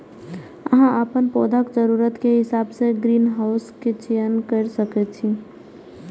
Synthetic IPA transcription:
əɦãəpənpoːd̪ʱakd͡ʒəɾuɾət̪keɦɪsaːbseɡɾiːnɦaʊsket͡ʃejənkəɾsəkɛt͡ʃʰi

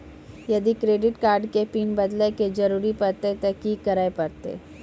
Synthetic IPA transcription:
jɐd̪ikɾeːɖɪʈkaːɾɖkepiːnbɐd̪leked͡ʒɐɾuːɾipɐɾt̪et̪ɛɦkiːkːɐɾaːepɐɾt̪ḛː

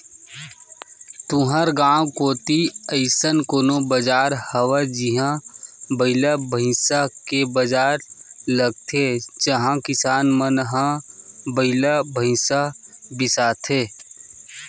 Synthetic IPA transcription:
t̪ũɦəɾɡãːwkoːt̪iəɪsənkoːnobəd͡ʒaːɾhəwad͡ʒiɦãbəɪlabʱəɦɪ̃sakebəd͡ʒaːɾləɡ̚t̪ʰed͡ʒəɦãkɪsaːnmənɦãbəɪlabʱəɪ̃sabɪsaːt̪ʰeː

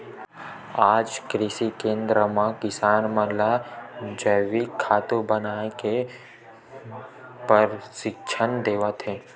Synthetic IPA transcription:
aːd͡ʒkɾɪsikẽːnd̪ɾəmãkɪsaːnməɦlad͡ʒəʋikʰːaːt̪obənaːeke | pəɾʃɪkʃʰənd̪eːʋət̪ɦeː

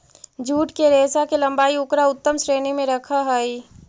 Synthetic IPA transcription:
d͡ʒʱuːʈkeɾeːsakelɐ̃mbaːiʊkɾaʊt̪ːəmsɾeːnimẽɾɐkʰaɦai

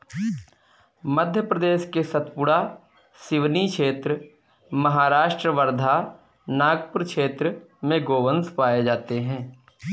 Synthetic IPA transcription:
məd̪ʱjəpɾəd̪eːʃkesət̪pʊɽa | sɪʋnikʃʰeːt̪ɾə | məɦaːɾaːʃʈɾəʋəɾd̪ʱa | naːɡpʊɾkʃʰeːt̪ɾəmẽɡoːʋənspaːed͡ʒaːt̪eɦɛ̃ː

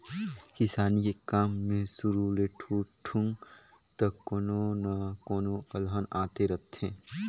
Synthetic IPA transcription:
kɪsaːnikekaːmːẽsʊɾuleʈʰuːʈʰũŋɡ | t̪ɐkoːnonɐkoːnoɐlɦənaːt̪eɾɐt̪ʰẽː

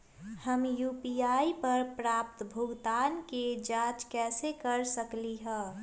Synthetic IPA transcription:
həmjuːpiaːipəɾpɾaːp̚t̪bʱʊɡd̪aːnked͡ʒãːt͡ʃkɛːsekəɾsəkliɦɛ̃ː

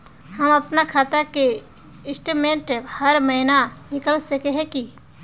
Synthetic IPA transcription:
həmɐpnakʰaːt̪ake | ɪsʈmẽːʈhɐɾməɦɪnanɪkəlsəkeɦɛ̃ki

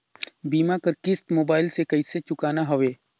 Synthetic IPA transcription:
biːmakəɾkɪst̪moːbaːɪlsekɐiset͡ʃʊkaːnaɦɐʋeː

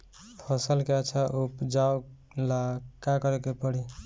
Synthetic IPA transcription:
pʰɔsəlkeət͡ʃʰaʔupd͡ʒao | lakakʌɾekepəɽi

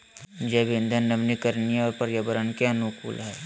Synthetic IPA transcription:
d͡ʒɛːbind̪ʱənːɐbnikəɾniɔːɾpɐɾjɐbəɾənkeɐnʊkṵːlɦɛː

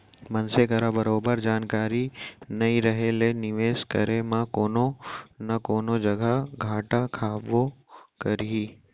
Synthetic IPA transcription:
mɐnsekɐɾabɐɾoːbəɾd͡ʒaːnkaːɾinɐĩɾɐɦelenɪʋeːskɐ̰ɾemãkoːnonɐkoːnod͡ʒɐɡaɡʱaːʈakʰaːbokɐɾiː

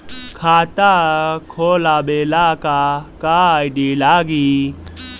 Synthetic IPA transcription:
kʰaːt̪akʰoːlabeːlaːkakaːjɖiːlaːɡi

